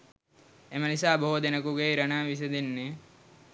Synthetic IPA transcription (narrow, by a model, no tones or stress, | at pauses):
emənisaːboɦod̪enɐkuɡeiɾɐnaːʋis̬ed̪enːe